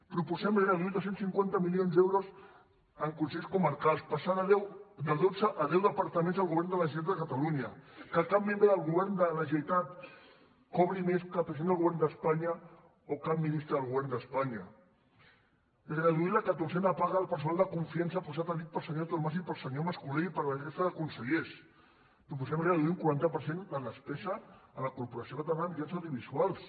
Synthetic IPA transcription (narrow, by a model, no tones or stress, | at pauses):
pɾupusɛmɣəðuilðosensiŋkwant̪əmiljonzd̪ɛwɾoz | əŋkunseʎskuməɾkalˠspasaðɛwd̪əðod͡zəʔːðɛwðəpaɾt̪əmẽnzðəlˠɣuβɛɾnd̪əlaʒt̪at̪d̪əkat̪aluɲakəkap̚mːẽmbɾəðəlˠɣuβɛɾnd̪əlaʒet̪at̪̚ | kɔβɾimeskapəsend̪əlˠɣuβɛɾnd̪əspaɲa | okap̚mːinist̪ɾəðəlˠɣuβɛɾnd̪əspaɲɐ | rəðuiləkat̪uɾsɛnəpaɣaːlˠpəɾsunalˠd̪əkuɱfiansəpusat̪əlit̪̚pəlˠsəɲoðəlmas̬impəlˠsəɲoməskuleipəɾlaʒest̪aðəkunsəʎes | pɾup̬usɛmrəðuiuŋkuɾant̪əpəɾsenələspɛzəːlɐkuɾpuɾɐsjokət̪əɾanəmd̪ians̬awðjuβizualˠs